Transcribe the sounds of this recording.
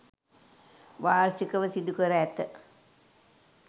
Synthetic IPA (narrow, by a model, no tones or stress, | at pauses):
ʋaːɾsikəʋəsid̪ukəɾəæt̪ə